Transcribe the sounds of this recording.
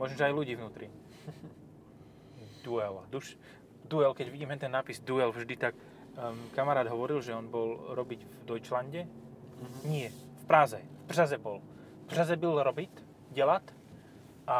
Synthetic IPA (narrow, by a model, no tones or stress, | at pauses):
mɔʒm̩ɔʒɛajluɟiːvnuːt̪ɾi | d̪uɛld̪uʃ | d̪uɛlkɛɟʋiɟiːmɦɛnt̪ɛnːaːpizd̪uɛlvʒd̪it̪ak | kamaɾaːd̪ɦɔʋɔɾilʒɛɔnbɔlɾɔbiɟvd̪ɔjt͡ʃlaɲɟɛ | ɲɪɛfpɾazɛprazɛbɔl | fbrazɛbilɾɔbit̪ | ɟɛlat̪ | ʔa